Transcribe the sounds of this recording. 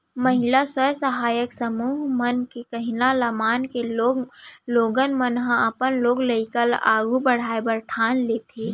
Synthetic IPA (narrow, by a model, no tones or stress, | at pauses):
məɦɪlasəjsəɦaːjəksəmuːɦmənkekəɦɪnaləmaːnkeoloːɡənmənɦə̃ɐpənloːɡləɪkəla̰ːɡubəɽ̤aːebəɾʈʰaːnleːt̪ʰeː